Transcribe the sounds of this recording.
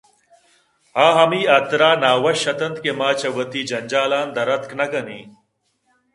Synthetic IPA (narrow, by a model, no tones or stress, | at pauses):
hãːɦɐmiːɐt̪ɾaːnaːwɐʃɐt̪ɐnt̪kemaːt͡ɕɐwɐt̪iːd͡ʑɐnʲd͡ʑaːlaːnd̪ɐɾɐt̪knɐkɐniː